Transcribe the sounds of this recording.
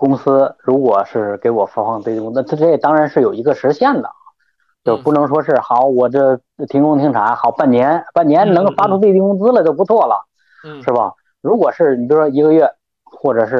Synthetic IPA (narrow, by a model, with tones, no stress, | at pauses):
kʊ˥ŋsɹ̩˥ɻu˧˥kwɔ˨˩ʂɻ̩˥˩ke˧˥ɪwɔ˨˩fa˧˥fɑ˥˧ŋt̪we˥˧t̪i˥˧kʊ˥t͡sːt͡s̩ʰ˥˧˩t̪ɑ˥ŋɻa˧˥nʂɻ̩˥˩jo˨˩ʊi˧˥ɡə˧ʂɻ̩˧˥ɕjɛ˥˩nd̪ə̰˩ | t͡ɕjo˥˧˩pu˥˩nɤ˧˥ŋʂ̬wɔ˥ʂɻ̩˥˩xɑ˨˩˦ʊwɔ˨˩də˥˩ | t̪ʰi˧˥ŋkʊ˥ŋt̪ʰi˧˥ŋʈ͡ʂʰa˨˧˥xɑ˨˩ʊpa˥˩nnjɛ˧˥npa˥˩njɛ˧˥nnɤ˧˥ŋfa˥ʈ͡ʂʰu˥t̪we˥˧ɪi˥˧ŋkʊ˥ŋt͡sɹ̩˥lə˨t͡ɕjo˥˩ʊpu˧˥t͡sʰwɔ˥˩lə̰˩ | ʂɻ̩˥˩bɐ̰˩ | ɻu˧˥kwɔ˨˩ʂɻ̩˥˩ni˨˩jʂwɔ˥i˧˥ɡə˧ɥɛ˥˩ | xwɔ˥˩ʈ͡ʂɤ˨˩ʂɻ̩˥˩